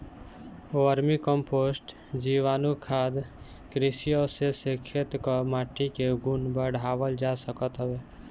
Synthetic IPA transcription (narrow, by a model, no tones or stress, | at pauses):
oəɾmikəmpʰosʈ | d͡ʒiʋaːnukʰad̪ | kɾisijosesekʰːet̪kɔmaːʈːikeɡunbəɽ̤ʱaʋəld͡ʒasəkət̪ɦəbe